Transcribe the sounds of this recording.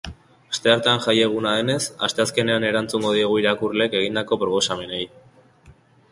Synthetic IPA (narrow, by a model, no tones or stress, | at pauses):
ast̪e̞aɾt̪anʝaje̞ɣ̞unaðe̞ne̞sa̰st̪e̞aske̞ne̞ane̞ɾant͡suŋɡo̞ð̞ieɣ̞uiɾakurle̞ke̞ɣ̞ind̪ako̞pɾo̞po̞same̞nej